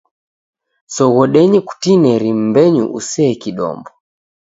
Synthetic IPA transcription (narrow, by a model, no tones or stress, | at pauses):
sɔɣɔɗɛɲɛku̥tinɛɾim̩bɛɲṵʔusɛːkiɗɔ̰mbɔ